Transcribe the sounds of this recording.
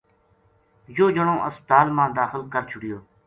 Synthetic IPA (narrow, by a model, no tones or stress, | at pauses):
joːd͡ʒəɳõːʔəst̪aːlmãːd̪aːxəlkəɾt͡ʃʰʊɽɪjoː